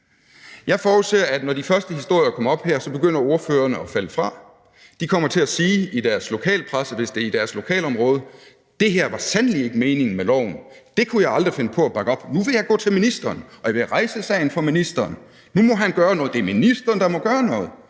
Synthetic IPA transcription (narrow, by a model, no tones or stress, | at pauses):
jɑ̈ɪfɒːuseɐædnɒd̥ifɶɐsd̥əhisd̥o̝ɐ̰jɐkʰɒ̽m̰ɐɒ̽b̥heɐ̰sɒ̽b̥e̝ɡ̥øn̰ɐo̝ɐføːɐnəɒfæləfʁɑ̈ | d̥ikʰɒ̽m̰ɐt͡sʰe̝læsiːid̥æɐslo̝kʰɛ̰ːləpʰʁasəʋe̝sd̥e̝ɐid̥æɐslo̝kʰɛ̰ːlɒ̽mʁɔ̽ːð̞ˠə | d̥e̝ɦeɐ̰ʋɑ̈sænlie̝ɡ̥əme̝ːne̝ŋn̩melɒʊ̰n̩d̥e̝kʰujɑ̈ɪɑ̈ld̥ʁife̝nəpʰɒ̽æb̥ɑ̈ɡ̥əɒ̽b̥nuʋe̝jɑ̈ɪɡɔ̰̽ːt͡sʰe̝lminisd̥ɐːnʔɒ̽ʋe̝ʁɑ̈ɪsəsɛ̰ɪn̩fɒ̽minisd̥ɐːn | numɒ̽ɦænɡ̥ɶːɐnɔːð̩̥ˠe̝ɐminisd̥ɐːnd̥ɑ̈mɒ̽ɡ̥ɶːɐnɔ̽ːð̞̩ˠ